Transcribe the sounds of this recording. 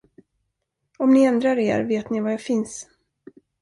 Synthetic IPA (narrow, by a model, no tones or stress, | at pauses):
ɔmnɪɛnd̪ɾaɾḛːɾveːt̪nɪvajafɪns